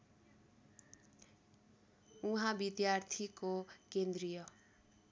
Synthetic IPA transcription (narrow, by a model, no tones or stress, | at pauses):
uɦãbid̪jart̪ʰikokend̪rijʌ